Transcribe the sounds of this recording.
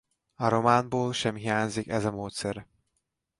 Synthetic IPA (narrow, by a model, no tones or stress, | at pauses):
ɒɾo̞maːnboːlʃɛmɦijaːɲzikɛzɒmoːt̪sɛɾ